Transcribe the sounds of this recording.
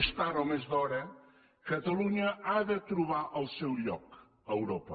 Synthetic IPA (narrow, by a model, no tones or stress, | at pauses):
ʃt̪aɾɐwmezðɔɾɐ | kɐt̪ɐlˠuɲɐaðɐt̪ɾuβaɾʔawsewʎɔk | ɐewɾɔpɐ